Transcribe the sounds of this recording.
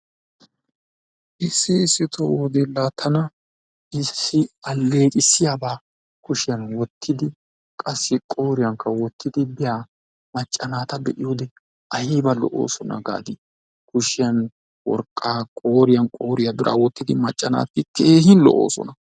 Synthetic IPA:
ʔɪsːɪɪsɪt̪ʰɔwɔd̪ɛlːaːt̪ʰɐnɐ | ɪsːɪɐlːe̞ːkʼɪsːɪjaːbaː | kʊʃɪjɐnwɔt̪ʰːɪd̪ɪ | kʼɐsːɪkʼo̞ːɾɪjɐŋkːɐwɔt̪ːɪd̪ɪbɪjaː | mɐt͡ʃʼːɐnaːt̪ɐbɛʔɪjoːd̪ɛ | ʔɐjɛːbɐlɔ̰ʔo̰ːsɔnɐ̰ɡa̰ːd̪ɪ | kʊʃɪjɐn | wɔ̰ɾkʼːaːkʼoːɾɪjɐnkʼo̞ːɾɪjɐbɪɾʔa̰ːwɔt̪ːɪd̪ɪmɐt͡ʃʼːɐna̰ːt̪ːɪkʰeːhɪnlɔ̰ʔo̰ːsɔ̰nɐ

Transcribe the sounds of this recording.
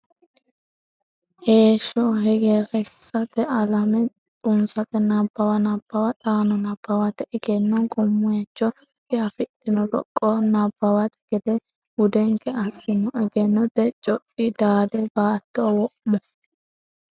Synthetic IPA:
heːʃɔɦɛɡɛɾɛsːɐt̪ɛɐlɐmɛ | t̪ʼʊnsɐt̪ɛnɐbːɐwɐnɐb̥ːɐwɐt̪ʼaːnɔnɐb̥ːɐwɐt̪ɛʔɛɡɛnːɔkʼɔmːʊjɐt͡ʃːɔ | kɛɐfɪtːɪnɔlɔ̰kʼːɔnɐbːɐwɐt̪ɛ̥ɡ̥ɛd̪ɛ | ʊd̪ɛŋkɛɐsːɪnɔɛɡɛnːɔt̪ɛt͡ʃʼɔpʼːid̪aːd̪ɛbaːt̪ːɔwɔʔmɔ

